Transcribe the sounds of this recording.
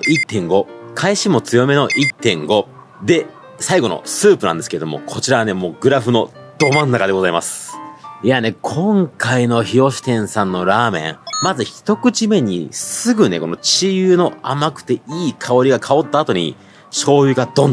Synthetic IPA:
it̪ːẽ̞ŋɡo̞kʰaiɕimo̞t͡sɨjo̞me̞no̞ʔit̪ːẽ̞̰ŋɡo̞ | d̪e̞ | saiɡo̞no̞̰sɨːpɯnãnd̪esɨ̥keeomo̞̰kʰo̞t͡ɕiɾaβane̞mo̞ːɡɯ̟ɾaɸɯ̟no̞ | d̪̥o̞mãnːakad̪e̞ɡo̞zaimasɨ̥ijane̞kʰõ̞ŋkaino̞çiɾo̞ɕi̥t̪ẽ̞ɰ̃sãnːo̞ɾaːmẽ̞ŋmazɨçi̥t̪o̞kɯ̟t͡ɕime̞ɲ̟ḭsɨɡɯ̟ne̞̰ko̞no̞t͡ɕijɯːno̞amakɯ̟̥t̪e̞iːkʰao̞ɾʲiɡakʰao̞t̪ːaːt̪o̞ɲ̟ḭ | ɕo̞ːjɯ̟ɡad̪õ̞n

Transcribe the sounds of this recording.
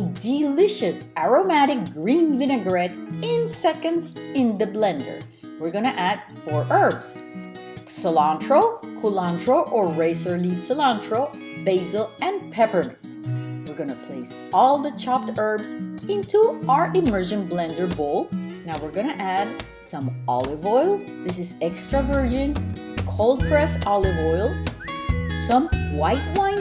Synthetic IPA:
dɪlɪʃɨsæɹomæɾɪk̚ɡɹĩnvɪ̃ñɨɡɹɛɾɪ̃nsɛkɨ̃ndzɪ̃nðɨblɛ̃ndə̰˞ | wɪɹɡʌñɨʔæd̥fɔɹʔɜ˞bz̥ | səlɑ̃ntɹoʊkʰulɑ̃ndɹoʊʔəɹɹeɪsə˞lisəlɑ̃ntʰɹoʊ | beɪzəl̩ˠɛ̃npʰɛpə˞mɛ̃ntwɨɹɡʌñɨpʰl̥eɪs | ɔlˠðət͡ʃʰɑp̚tɜ˞bzɪ̃ntʰuaə˞ʔɪmɜ˞ʒɨ̃nblɛ̃ndə˞bolˠnaʊwɨɹɡʌnɨʔæd̚ | sʌ̃mɑ̰lˠɪvɔɪlˠ | ðɪsɨzɛkstɹ̥əvɜ˞d͡ʒɨ̃nkʰoʊlˠd̚fɹɛsɑlˠɪvɔɪlˠ | sʌ̃mwaɪt̚wãɪ̃n

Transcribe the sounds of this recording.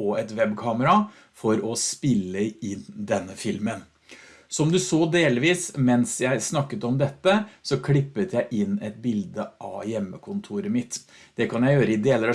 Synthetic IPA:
ɔɛt̪ʋɛbkʰɑːməɾɑ | fɔɾɔspɪlːəɪnd̪ɛnːəfɪlmən | sɔmd̪ʉsoːd̪eːlʋiːsmɛnsjæɪsnɑkːət̪ɔmd̪ɛt̪ːəsɔkʰlɪpːət̪ʰjæɪʔɪnːɛt̪̚bɪld̪əʔɑ̰jɛmːəkʰʊnt̪ʰuːɾəmɪt̪ | d̪̥ɛkʰɑnjæɪjøːɾəɪd̪eːləɾɑ

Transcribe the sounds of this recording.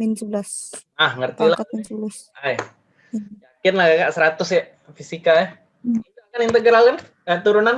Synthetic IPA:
minsəbəlas | ahŋərt̪ilaansəblas | aja | d͡ʒakɪnlahkakaʔsəɾat̪ʊsja | fisikaa | it̪uakanint̪əɡɾalkan | at̪uɾunan

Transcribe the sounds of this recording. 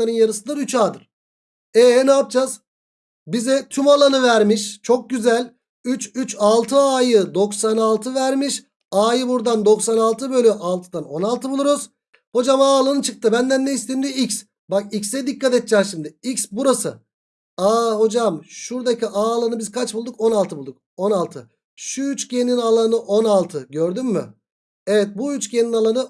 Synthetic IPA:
aɾɯnjaɾɯsɯnd̪aɾyt͡ʃaːd̪ɯɾ̥ | ɛnaːp̚d͡ʒaz | bizɛt̪ʰymalˠanɯvæɾmiʃt͡ʃʰo̞k̚ɟyzælʲ | yt͡ʃyt͡ʃalˠt̪ʰɯaːjɯd̪o̞ksanalˠt̪ʰɯvæɾmiʃ | aːjɯbuɾd̪and̪o̞ksanalˠt̪ʰɯbø̞lʲyʔalˠt̪ʰɯd̪ano̞nalˠt̪ʰɯbulˠuɾuz̥ | ho̞d͡ʒamaːlˠanɯt͡ʃʰɯk̚t̪ʰɯbænd̪ænːɛist̪imd̪iics | bak̚icsɛd̪ikːat̪et̪̚d͡ʒɛːmʃimd̪ɪicsbuɾasɯ̰ | aːɦo̞d͡ʒamʃuɾd̪aciʔaːlˠanɯbizkʰat͡ʃbulˠd̪uko̞nalˠt̪ʰɯbulˠd̪uk̚o̞nalˠt̪ʰɯ | ʃuyt͡ʃcʰeninalˠanɯʔo̞nalˠt̪ʰɯɟøɾd̪ymːy̰ | evɛt̪̚buyt͡ʃcʰeninalˠanɯ

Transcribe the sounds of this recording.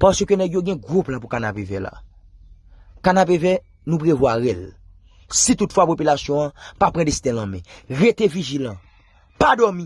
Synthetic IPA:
pasøkønɛɡjoɡɛ̃ɡʁuplapukanapevɛla̰ | kanap̬evɛ | nũpʁevwaɣɛl | sit̪utfwapopylasjɔ̃ãpapɣãdesi̥t̪ɛ̃lãmɛ̰̃ɣet̪eviʒilã | padɔmĩ

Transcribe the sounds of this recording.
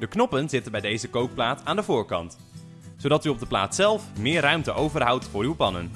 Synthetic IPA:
dəknɔpənzɪtənbɛjdejzəkowk̚plaːtʰaːndəvʊːɹkɑ̰nt | zowdɑtyɔb̚dəpla̰ːtsɛlˠfmɪːrœɥmtəʔowvərɦʌwtfʊːɾywpɑnə̰n

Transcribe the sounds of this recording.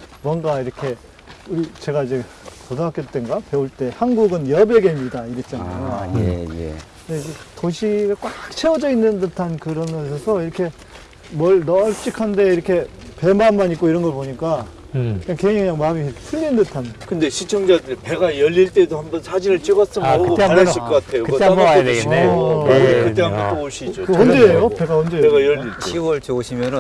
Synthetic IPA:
mwʌnɡaiɾʌkʰe̞ | uɾit͡ɕe̞ɡaid͡ʑe̞ | podakjʌt̚t͈e̞nɡape̞uɭt͈e̞hanɡuɡɯnjʌbe̞ɡemidaiɾet͡ɕ͈anaoḛkɯndeid͡ʑetoɕʰiɡak͈wak̚t͡ɕʰewʌd͡ʑʌinːɯndɯtʰankɯɾʌnɡʌs̬ʰesʰʌiɾʌkʰe̞ | mʌɭnʌɭt͡ɕ͈ikʰande̞iɾʌkʰe̞ | pe̞manmaɲik͈oiɾʌnɡʌɭpoɲik͈a | kɯɲaŋkeikɯɲaŋmamiɾʌkʰepʰuʎːindɯtʰankɯnde̞ɕʰit͡ɕʰʌŋd͡ʑadɯɾipe̞ɡajʌʎːiɭt͈e̞dohambʌnsʰad͡ʑinɯɭt͡ɕ͈iɡʌs͈ɯmɯtaaiɭkʌk͈atʰejokɯɡʌmaed | kɯt̪eaʌtt͈ooɕʰid͡ʑokʌnd͡ʑeejopeɡaʌnd͡ʑeeɡajʌʎːiɭɕiwʌɭt͡ɕoɕʰimjʌnɯ

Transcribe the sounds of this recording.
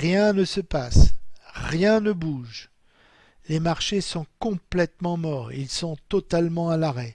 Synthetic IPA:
ʁjɛ̃nəsəpasʁjɛ̃nəbuʒ | lemaʁʃesɔ̃kɔ̃plɛt̪mɑ̃mɔːʁḭlsɔ̃t̪ɔt̪almɑ̃alaʁɛ

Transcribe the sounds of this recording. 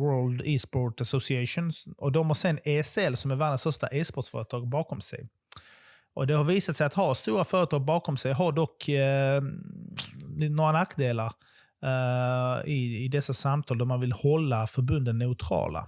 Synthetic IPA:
wœːld̪iːspoʈasʊsɪɛʂʊnsɔd̪ɔmhasɛnːeːsɛlsɔmæɾvanat̪sfœɾʂʈa̰ʔɛspɔʈsfœ̰ːɾət̪ʰɑːɡbɑːkɔmsɛ̰j | ʔɔd̪ɛhaɾviːsat̪sɛjat̪haɾst̪uːɾafœːɾət̪ʰɑːɡ̚bɑːkɔmsɛjɦaɾɖɔkː | noːɾanakːd̪eːlaɾ | ɪɪd̪ɛsːasamt̪ʰɑːld̪æɾmanvɪlhɔlːafœɾbɵnd̪ət̪ːɛʊt̪ʰɾɑ̰ːla̰

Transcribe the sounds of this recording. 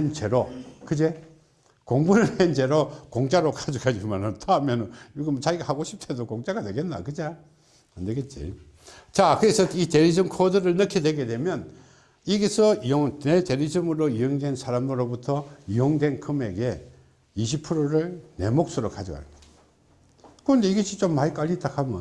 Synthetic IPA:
ent͡ɕeɾokɯd͡ʑe | koŋbuɾɯend͡ʑe̞ɾokoŋd͡ʑaɾokad͡ʑiɡad͡ʑimanɯntʰoamjʌnɯnɡʌmʌt͡ɕaɡiɡahaɡoɕʰip̚tʰe̞dokoŋd͡ʑaɡadwe̞ɡe̞nːa̰kɯd͡ʑa | and̪eɡet͡ɕ͈ḭ | t͡ɕakɯɾe̞sʰʌite̞ɾid͡ʑɯmkʰodɯɾɯɭnɯkʰidwe̞ɡe̞dwe̞mjʌn | iɡesʰʌioŋete̞ɾid͡ʑɯmɯɾoiʌŋdwe̞nsʰaɾamɯɾobutʰʌiʌŋdwe̞nkʰɯme̞ɡe̞ | iɕ̬ʰipʰɯɾoɾɯɭne̞̰mok̚s͈ɯɾokad͡ʑɯɡa̰ta | kɯʌnd̪e̞iɡeɕ͈ʰit͡ɕomːaik͈aʎːit͈akʰamjʌ̰n

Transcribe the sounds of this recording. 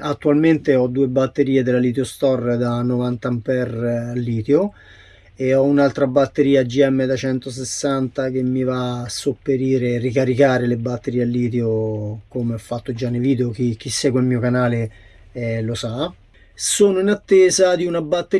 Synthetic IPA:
at̪ːualment̪eɔd̪uːebat̪ːeɾiːed̪elːalit̪̬eost̪ɔrd̪anːovant̪ampɛralːiːt̪eo | eɔunalt̪ɾabat̪ːeɾiːad͡ʒiɛmːed̪at͡ʃɛnt̪os̬esːant̪ak̟emːivasːopːeɾiːɾerːikaɾikaːɾelebat̪ːeɾiːealːiːt̪̬eokomeɔfːat̪ːod͡ʒanːeviːd̪eok̟ik̟isːɛːɡwelmiːokanaːle | ɛlosa | soːnoinat̪ːeːzad̪iunabat̪ːe

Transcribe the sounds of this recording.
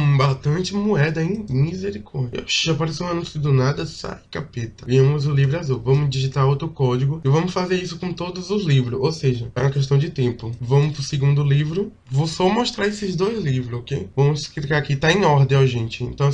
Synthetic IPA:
baʃt̪ɐ̃nt͡ʃɪmuɛd̪ɐẽm̃mizeɾikɔɾd͡ʒaʃʒapaɾes̬ew̃nũsid̪ʊnad̪ɐsa̰jkapet̪ɐiemɐzʊlivɾʊazowvɐ̃mʊzd͡ʒiʒit̪aɾowt̪ɾʊkɔd͡ʒiɡʊɪvɐ̃mʊsfazeɾisʊkõt̪od̪ʊzʊzlivɾʊowseʒɐɛ̰ũmɐkɛʃ̬t̪ɐ̃w̃d͡ʒɪt̪ẽpʊvɐ̃mʊpɾʊseɡũnd̪ʊlivɾʊ | vosɔmɔʃt̪ɾaɾesɪzd̪ojzlivɾʊzokejvɐ̃mʊsklikaakit̪aẽj̃ɔɾd̪ẽj̃aʒẽnt͡ʃɪẽnt̪ɐ̃w̃

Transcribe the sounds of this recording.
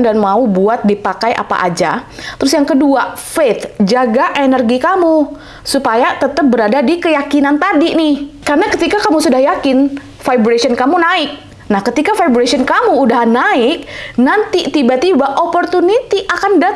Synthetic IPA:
ndanmaubuat̪̚dipakajʔa̰pa̰ʔa̰d͡ʒa̰t̪əɾʊsjaŋkəduafet̪d͡ʒaɡaʔenərɡikamu | supajat̪ət̪əp̚bəɾadadikəjakinant̪adinɪhkarnakət̪ikakamusudahjakɪn | fajbɾasiɔnkamunaɪk̚ | nahkət̪ikafajbɾasiɔnkamuːdaɦanːaɪk̚nant̪it̪ibat̪ibaʔopɔrt̪unit̪iʔakanda

